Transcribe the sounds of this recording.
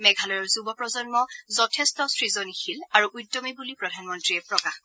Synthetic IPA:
mɛɡʱalɔjɔɹzubɔpɹɔzɔnmɔzɔtʰɛstɔsɹizɔnixilaɹuʔujtːɔmibulipɹɔdʱanmɔntɹiɛpɹɔkax

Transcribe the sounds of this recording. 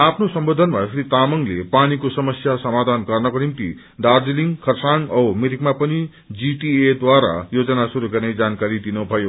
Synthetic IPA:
apʰnosʌmbod̪ʱʌnmaʌsʰɾit̪amʌŋlepanikosʌmʌsjasʌmad̪ʱanɡʌrnʌkonimt̪ḭ | d̪ard͡ziliŋkʰʌrsaŋʌwmiɾikmapʌni | d͡ziʈied̪waɾa̰jod͡zʌnasuɾuɡʌrnʌjd͡zankaɾid̪inʌbʱʌjo

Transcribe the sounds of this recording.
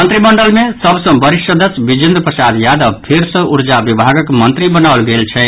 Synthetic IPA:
mʌnt̪ɾimʌɳɖəlmesʌbsʌ̃bʌɾiʃjʌd̪ʌsbid͡ʒind̪rpəsad̪jad̪ʌbpʰeɾsʌ̃ʔuɾd͡ʒabibʱaɡʌkmʌnt̪ɾibʌnaulɡelt͡ʃʰɛ

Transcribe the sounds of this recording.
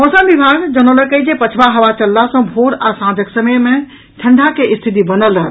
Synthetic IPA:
ɦosəbibʱaɡd͡ʒənoləkəjd͡ʒepət͡ʃʰbaɦəʋat͡ʃəlːasə̃bʱoɾasãd͡ʒ̪ʱəksəməjmẽ | ʈʰəɳɖʱakeʔist̪ʰit̪̬ibənələɾ

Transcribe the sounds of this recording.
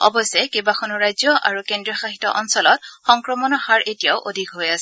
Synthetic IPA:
ɔ̰bɔsɛkebakʰɔnuɹajzjɔʔa̰ɹukendɹiɔxaxitɔ̰ʔɔnsɔlɔtxɔŋkɹɔmɔnɔhaɹʔetijaʊʔodʱikɦojasɛ

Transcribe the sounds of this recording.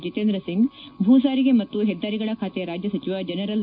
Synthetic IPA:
d͡ʒit̪eːnd̪ɾɐsiŋɡbʱuːs̬aːɾiɡe̞mɐt̪ːuɦɛd̪ʱːaːɾiɡɐɭɐkʰaːt̪ejɐɾaːd͡ʒjɐsɐt͡ʃiʋad͡ʒɐnɐɾɐl

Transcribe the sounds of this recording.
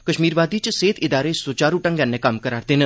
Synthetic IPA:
kəʃmiːɾʋaːd̪it͡ʃseːt̪ʰɪd̪aːɾesoːt͡ʃaːɾuʈə̃ŋɡɛ̃nːekamkəɾaːɾd̪enə

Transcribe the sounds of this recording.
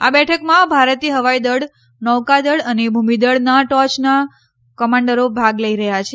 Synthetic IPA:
a̰bɛʈʰəkmãbʱaɾət̪iɦəʋaid̪əɽ | nɔʋkad̪əɽənebʱumid̪əɽnaʈɔt͡ʃna | kəmaɳɖəɾobʱaɡləiɾəɦjat͡ʃʰe

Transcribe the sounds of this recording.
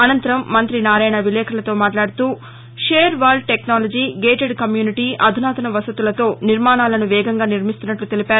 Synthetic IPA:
ɐnɐnt̪ɐɾɐmːɐnt̪ɾinaːɾaːjɳɐʋilɛːkʰɐlɐt̪o̞ːmaːʈlaːɽut̪uː | ʃeːɾʋaːɾlɖ̚ʈeknaːlod͡ʒiːɡeːʈeɖkɐmjuːniʈiːʔɐd̪ʱunaːt̪ɐnɐʋɐsɐt̪ulɐt̪o̞ːniɾmaːnaːlɐnuʋɛːɡɐŋɡaːniɾmist̪unːɐʈlut̪elipaːɾu

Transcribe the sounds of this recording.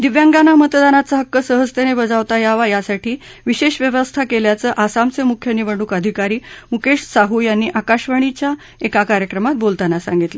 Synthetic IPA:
d̪iʋjaŋɡanamət̪d̪anat͡səɦəkːəsəɦəst̪enebəd͡zaʋt̪ajaʋajasaʈiː | ʋiɕeɕʋjəʋəst̪ʰakeljat͡səːʔasamt͡semukʰjəniʋəɳɖukəd̪ʱikaɾiːmukeɕsaɦujanːiːʔakaɕʋəɳ̃it͡ɕja | ekakaɾjəkɾəmat̪̚bolt̪anasã̰ŋɡit̪lə

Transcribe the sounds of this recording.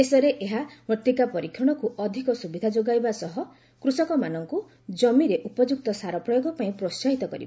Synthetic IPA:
esɔɾeʔeɦamɔt̪ikapɔɾikʰjɔɽ̃ɔkuʔɔd̪ʱikɔsubid̪ʱad͡ʒoɡajbasɔɦɔ | kɾusɔkɔmanɔŋku | d͡ʒɔmiɾeʔupɔd͡ʒuk̚t̪ɔsaɾɔpɾɔjoɡɔpaĩpɾost͡ʃaɦit̪ɔkɔ̰ɾḭb

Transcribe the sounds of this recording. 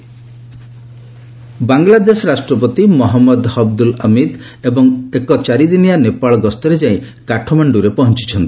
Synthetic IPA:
baŋlad̪esɔɾasʈɾɔp̬ɔt̪imɔɦɔmːɔd̪hɔb̚d̪ulɔmid̪ | ebɔŋekɔt͡ʃaɾid̪inijanepaɭɔɡɔst̪ɔɾed͡ʒaĩ | kaʈʰɔmaɳɖuɾepɔɦɔnt͡ʃi̥t͡ʃʰɔnt̪i̥

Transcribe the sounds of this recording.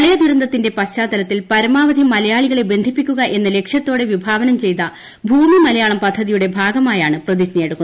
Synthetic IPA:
ɭɐjɐd̪uɾɐnd̪ɐt̪ːinde̞pɐɕt͡ɕːaːd̪ɐlɐt̪ːilpɐɾɐmaːʋɐd̪ʱimɐlɐjaːɭiɣɐɭebe̞nd̪ʱipːikʲːuɣɐʔe̞nːɐle̞kʂjɐt̪ːo̞ːɽe̞ʋibʱaːʋɐnɐmt͡ɕe̞jt̪ɐ | bʱuːmimɐlɐjaːɭɐmpɐd̪ʱːɐðijuɽe̞bʱaːɡɐmaːjaːɳɨprɐd̪iɕɐnɐjeɽukːn

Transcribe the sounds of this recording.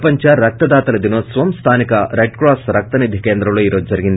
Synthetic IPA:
pɐɲt͡ʃɐɾɐk̚t̪ɐd̪aːt̪ɐlɐd̪inoːt̪sʋɐmst̪ʰaːnikɐɾejɖkɾaːsɾɐk̚t̪ɐnid̪ʱːikeːnd̪ɾɐmloːiːɾo̞ːd͡ʒud͡ʒɐɾiɡind̪i

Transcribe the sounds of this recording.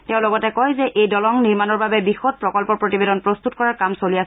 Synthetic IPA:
tɛʊ̃lɔɡɔtɛkɔjzɛʔejdɔlɔŋniɹmanɔɹbabɛbixɔt̚pɹɔkɔlpɔɹpɹotibedɔnpɹɔst̪utkɔɹaɹkamsolias

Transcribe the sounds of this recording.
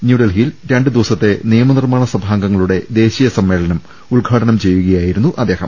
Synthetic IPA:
njuːɽelɦijilɾeɳɖɨd̪iʋɐsɐt̪ːe̞nijɐmɐnirmaːɳɐsɐbʱaːŋɡɐŋːɐɭuɽe̞d̪e̞ːɕijɐsɐmːe̞ːɭɐnɐm | uɭɡʱaːʈɐnɐmt͡ɕe̞jːuɣɐjaːjiɾunːuʔɐd̪ːe̞ːhɐ̰m

